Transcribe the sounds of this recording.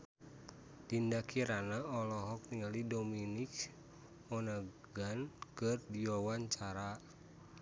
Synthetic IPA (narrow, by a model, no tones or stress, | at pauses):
tindakʰiɾanaɔlɔɦɔk̚t̪iŋalidominik | ɔna | ɡankɨrdiwawaɲt͡ʃaɾa